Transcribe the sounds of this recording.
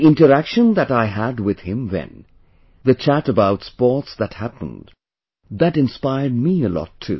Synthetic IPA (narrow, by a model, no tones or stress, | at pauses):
ɪ̃ntəɾækʃə̃nðætaɪɦæd̚wɪð̥hɪ̃mwɛ̰̃n | ðɨt͡ʃʰætəbaʊtspɔɹtsðæt̚hæpə̰̃nd | ðæɾɪ̃nspaɪəd̚miəlɔ̰tʰːṵ